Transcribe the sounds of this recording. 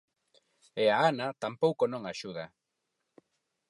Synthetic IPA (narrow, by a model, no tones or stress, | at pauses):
eaanat̪ampowkonõŋaʃuða